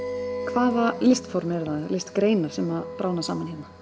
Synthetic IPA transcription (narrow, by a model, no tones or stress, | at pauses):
kʰvaːvaɾlɪst̪fɔwɾmɛɾðaðɪlɪst̪kɾeːjnaɾ̥sɛmaðpɾʔaːwnasaːmanheːna